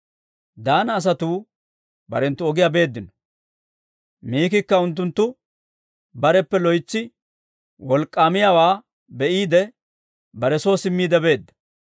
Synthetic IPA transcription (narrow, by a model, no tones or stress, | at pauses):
d̪aːnɐːs̬ɐt̪uː | bɐ̰ɾɛnt̪ːʊɔɡɪjabe̞ːd̪ːɪnɔ̥ | miːkɪkːɐʊnt̪̬ːʊnt̪ːʊ | bɐɾɛpːɛlɔjt͡sːɪ | wɔlkʼːaːmɪjawaː | bɛʔiːd̪ɛ | bɐɾɛso̞ːsɪmːiːd̪ɛbe̞ːd̪ːɐ̥